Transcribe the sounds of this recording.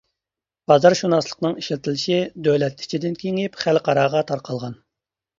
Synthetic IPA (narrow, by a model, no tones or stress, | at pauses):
b̥ɑzɑɾʃunɑslˠə̥qnɨŋiʃilt̪ʰɪlɪʃid̪ølɛt̪̚ʰi̥t͡ʃʰid̪ɪnkʲʰeŋɪpχælqɑɾɑːʁɑt̪ʰɑɾqʰɑlˠʁɑn